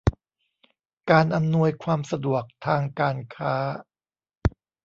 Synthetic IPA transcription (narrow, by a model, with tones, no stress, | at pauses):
kaː˧nʔa˧mnu˧əjkʰwaː˧msa˧du˨˩ək̚t̪ʰaː˧ŋkaː˧nkʰaː˦˥